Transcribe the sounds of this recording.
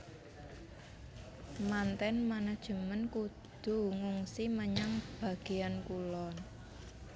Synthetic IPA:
mant̪ɛnmanad̥ʒ̥ə̤mənkud̪̥ṳŋuŋsiməɲaŋb̥a̤ɡ̥e̤ankulɔn

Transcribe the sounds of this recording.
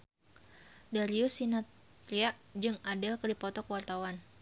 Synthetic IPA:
daɾiusinat̪ | ɾiaʔd͡ʒɨŋadɛlkədipɔt̪ɔkəwart̪awan

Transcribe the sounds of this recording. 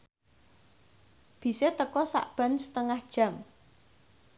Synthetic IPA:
b̥i̤set̪əkɔsa̰ʔb̥ä̤nsət̪əŋahd̥ʒ̥a̤m

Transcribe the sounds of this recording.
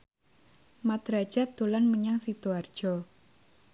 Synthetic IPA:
mat̪ɾad̥ʒ̥a̤d̪̥olanməɲaŋsit̪uard̥ʒ̥ɔ

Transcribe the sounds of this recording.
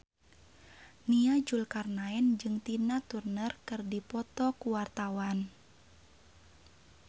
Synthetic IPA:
niad͡ʒulkarnaɛnd͡ʒɨŋt̪inat̪urnərkɨrdipɔt̪ɔkuwart̪awan

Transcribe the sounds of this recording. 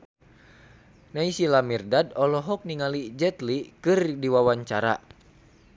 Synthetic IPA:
naisilamirdadɔlɔɦɔk̚niŋalid͡ʒɛt̪likɨrdiwawaɲt͡ʃaɾa̰

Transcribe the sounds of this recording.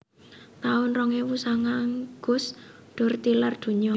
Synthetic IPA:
t̪aʊnrɔŋewusaŋaŋɡ̥ʊ̤s | ɖ̥ʊ̤rt̪ilard̪̥ṳɲɔ

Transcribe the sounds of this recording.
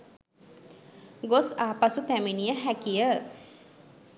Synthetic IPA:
ɡosaːpasut̪æmenijəɦækijə

